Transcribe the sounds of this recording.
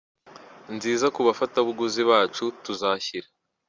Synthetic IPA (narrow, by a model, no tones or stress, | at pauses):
nziːzakuβafataβuɡuziβaːt͡ʃutuzaçiɾa